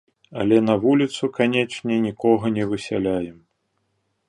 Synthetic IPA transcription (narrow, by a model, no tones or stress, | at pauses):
ɐlʲɛnɐvulʲit̪sukanʲɛt͡ʂnʲɛnʲikɔɣɐnʲɛvɨsʲa̰lʲajɛm